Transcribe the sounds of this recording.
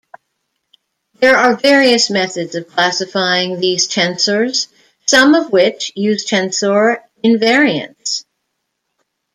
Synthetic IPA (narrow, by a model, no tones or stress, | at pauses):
ðə˞ə˞vɛɹiɨsmɛθɨdzʌv̥kʰl̥æsɨfaɪɪ̃ŋðiz̥tʰɛ̃nsə˞z̥ | sʌ̃mʌvwɪt͡ʃjʉz̥t͡ʃʰɛ̃nsɔɹ | ɨ̃nvɛɹiɨ̰̃ns